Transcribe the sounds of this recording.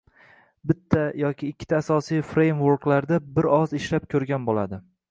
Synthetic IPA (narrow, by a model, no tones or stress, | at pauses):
bɪt̪ʰːajɒkʲʰɪːkʲʰːɪ̥t̪ʰaːsɒsijfɾejmvoɾklaɾd̪abɪɾɒzɪʃlapkʲʰɵɾɡʲanbolad̪ɪ